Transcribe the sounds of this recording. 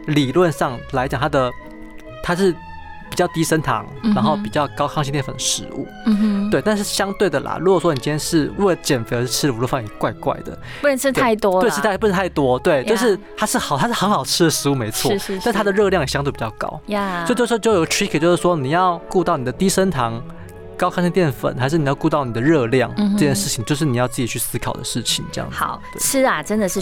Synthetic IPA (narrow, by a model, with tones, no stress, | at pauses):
li˨˩lwə˥˧nʂɑ˥˩ŋla˧˥ɪt͡ɕjŋt̪ʰa˥d̪ə˨ | t̪ʰa˥ʂɻ̩˥˩ | pi˨˩t͡ɕjɑ˥˩ʊt̪i˥ʂə˥nt̪ʰɑ̰˧˥ŋɻa˧˥nxo˥˩ʊpi˨˩t͡ɕjɑ˥˩ʊkɑ˥ʊkʰɑ˥ŋɕi˥t̪jɛ˥˩ə̰˨˩nʂɻ̩˧˦ṵ˥˩t̪we˥˧ɪt̪nʂɻ̩˥˩ɕjɑ˥ŋt̪we˥˩ɪd̪ə˩lɐ̰˩ɻu˧˥kwɔ˨˩ʂwɔ˥ni˨˩t͡ɕi˥njɛ˥ʂɻ̩˥˩ɻlə˩t͡ɕjɛ˨˩nfe˧˥˧ʂ̩˥˧ʈ͡ʂʰɻ̩˥˧u˧˥lfɑ˥˩˥kwa˥˧ɪkwa̰˥˩ɪd̪ə̰˩˥˧ʈ͡ʂ̩ʰ˥t̪ʰa˥˩ɪt̪wɔ˥˧˩ʂ̩ʰ˥˧p̩˥˧˥t̪ʰa˥˩ɪt̪wɔ˥t̪we˥˩ɪt͡ɕjo˥˧ʊʂɻ̩˥˩t̪ʰa˥ʂɻ̩˥˩xɑ˨˩ʊt̪ʰa˥ʂɻ̩˥xə˧˥ŋxɑ˨˩ʊʈ͡ʂʰɻ̩˥d̪ə˨ʂɻ̩˧˥u˥˧me˧˥ɪʂt͡sʰwɔ˥˨˥ʂ̩ʰ˥˩a˥də˧ɻɤ˥˧ljɑ˥˩ŋjɛ˨˩ɕjɑ˥ŋt̪we˥˩pi˨˩t͡ɕɑ˥˩kɑ̰˥ʊa˥jt͡ɕo˥˧ʂ̩˥˧t͡ɕo˥˩jo˨˩˧ɡə˥˩ʈ͡ʂʰɹi˥kʰə˨˩t͡ɕjo˥˧ʊʂɻ̩˥˩wɔ˥ni˨˩jɑ˥˧ʊku˥˧t̪ɑ˥˩ʊni˨˩d̪ə˩t̪i˥ʂə˥nt̪ʰɑ˧˥ŋ | kɑ˥ʊkʰɑ˥ɕʰi˥t̪jɛ˥˩nfə̰˨˩˦nxa˧ɪʂ̬ɻ̩˥˩ni˨˩jɑ˥˧ʊku˥˧t̪ɑ˥˩ʊni˨˩d̪ə˩ɻɤ˥˧ljɑ̰˥˩ŋɤ˥˧t͡ɕjɛ˥˧nʂɻ̩˥˩t͡ɕʰi˨˩ŋt͡ɕjo˥˧ʊʂɻ̩˥˩ni˨˩jʊt͡sɹ̩˥˩t͡ɕi˨t͡ɕʰy˥˩sɹ̩˥kʰɑ˨˩ʊd̪ə̰˦ʂɻ̩˥˩t͡ɕʰḭ˨˩ŋʈ͡ʂɤ˥˧jɑ̰˥˩ŋɑ̰˨˩˦t̪wḛ˥˩˥ɐ˨˩ə˥nd̪ə˨ʂɻ̩˥˩